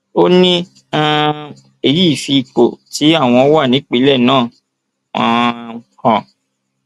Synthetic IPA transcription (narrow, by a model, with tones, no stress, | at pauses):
o˦nĩ˦ | ã˦ | e˨ji˦˨fi˧k͡po̰˨ti˨˦a˦˨w̃ɔ̃˧˦wa˦˨nĩ˨˦k͡pi˧˦lɛ˦˨nãː˦˨ | ã˦kɔ̃˧